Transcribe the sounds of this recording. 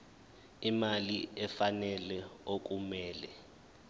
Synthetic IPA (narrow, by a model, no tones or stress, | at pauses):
imaliɛfanɛlɛok̬umɛːlɛ